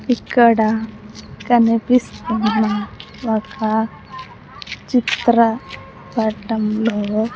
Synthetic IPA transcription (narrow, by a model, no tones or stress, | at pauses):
ikːɐɽɐ | kɐnipist̪unːɐ | ɔkɐ | t͡ʃit̪ɾɐ | pɐʈɐmloː